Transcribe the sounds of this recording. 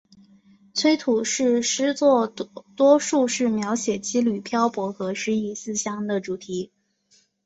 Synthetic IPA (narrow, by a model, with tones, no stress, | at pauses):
t͡sʰwe˥ɪt̪ʰu˨˩ʂɻ̩˥˩ʂɻ̩˥t͡swɔ˥˩t̪wɔ˥ʂu˥˧ʂɻ̩˥˩mjɑ˧˥ʊɕjɛ˨˩t͡ɕi˥ly˨˩pʰjɑ˥ʊpwɔ˧˥xɤ˧˥ʂɻ̩˥i˨˩sɹ̩˥˩ɕjɑ˥ŋd̪ə˨ʈ͡ʂu˨˩t̪ʰi˧˥